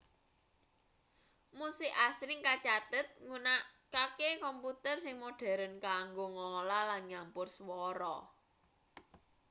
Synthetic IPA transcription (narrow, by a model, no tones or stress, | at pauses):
musɪʔasɾɪŋkat͡ʃat̪ət̪̚ŋunaʔkakekɔmput̪ərsɪŋmoɖ̥a̤ɾənkaŋɡoŋolalanjampʊrswɔɾɔ